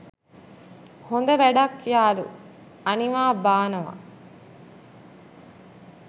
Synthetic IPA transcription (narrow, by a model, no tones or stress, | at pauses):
hond̪ɐʋæɖakːijaːd̪ṵ | ɐniʋaːbaːnɐʋa̰